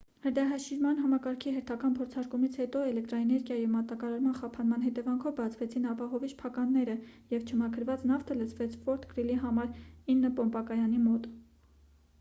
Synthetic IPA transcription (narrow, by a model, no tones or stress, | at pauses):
həɾd̪ɑɦɑʃiɾmɑnɦɑmɑkɑɾkʰiɦɛɾt̪ʰɑkɑnpʰɔɾt͡sʰɑɾkumit͡sʰhɛt̪ɔɛlɛk̚t̪ɾɑɛnɛɾɡjɑjimɑt̪ɑkɑɾɑɾmɑnχɑpʰɑnmɑnɦɛt̪ɛvɑŋkʰɔvbɑt͡sʰvɛt͡sʰinɑpɑɦɔviʃpʰɑkɑnːɛɾəjɛvt͡ʃʰəmɑkʰəɾvɑt͡snɑft̪ʰələt͡sʰvɛt͡sʰfɔɾt̪ʰkɾiliɦɑmɑɾinːəpɔmpɑkɑjɑnimɔt̪